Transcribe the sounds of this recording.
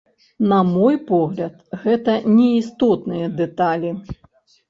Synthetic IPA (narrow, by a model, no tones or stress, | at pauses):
nɐmɔjpɔɣlʲɐt̪ɣɛt̪ɐnʲɛist̪ɔt̪nɨjɐd̪ɛt̪alʲi